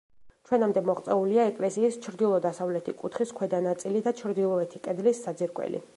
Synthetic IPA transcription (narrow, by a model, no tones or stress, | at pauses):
t͡ʃʰwɛnamd̪ɛmɔχʼt̪sʼɛuliaɛkʼlɛsiːst͡ʃʰɾd̪ilˠɔd̪asavlɛt̪ʰikʼut̪ʰχiskʰwɛd̪anat̪sʼilid̪at͡ʃʰɾd̪ilˠɔɛt̪ʰikʼɛd̪lisːad̪ziɾkʼwɛ̰lḭ